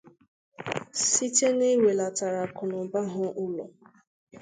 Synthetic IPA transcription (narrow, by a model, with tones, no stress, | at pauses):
si˦te˦ne˦we˨la˨ta˨ɾa˨kʊ˨nʊ˨ba˦ɦʊ˦ʔʊ˦lʊ̰˨